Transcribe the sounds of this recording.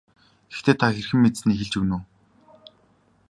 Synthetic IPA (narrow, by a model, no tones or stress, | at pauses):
ɡ̥ext̪ʰeːt̪ʰaxerxɘ̆mːet̪sniːxĕɮt͡ɕɵwnuː